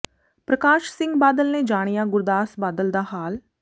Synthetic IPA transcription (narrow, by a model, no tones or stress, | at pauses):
pɾəkaːʃsɪ̃ŋɡbaːd̪əlneːd͡ʒaːɽ̃ijaːɡʊɾd̪aːsbaːd̪əld̪aːɦaːl